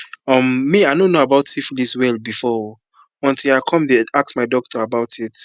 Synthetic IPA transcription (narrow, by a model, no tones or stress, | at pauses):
ʌ̃mːiaɪnõnːoabaʊtsifliswɛlˠbifɔ | ɔ̃ntʰilaɪkʰɔ̃mdeak̚smaɪdɔk̚tʰɔabaʊtʰit